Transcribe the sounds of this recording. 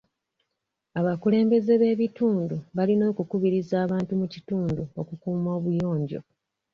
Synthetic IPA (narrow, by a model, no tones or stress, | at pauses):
aβakule̞ːmbe̞ze̞βe̞ːβituːnduβalino̞ːkukuβiɾizaːβaːntumucituːnduokukuːmo̞ːβujo̞ːɲɟo̞̰